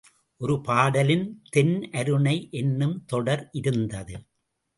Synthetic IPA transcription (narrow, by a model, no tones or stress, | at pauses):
ʔɔɾɯpaːɽɐlɪnt̪ɛnʔɐɾɯɳɐɪʔɛnːɯmt̪ɔɽɐɾʔɪɾɯnd̪ɐðɯ